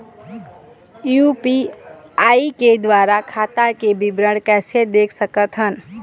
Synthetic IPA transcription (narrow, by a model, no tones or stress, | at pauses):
jupiaiked̪ʋaɾakʰat̪akebibɾəɽkɛsed̪ekʰsəkət̪ɦən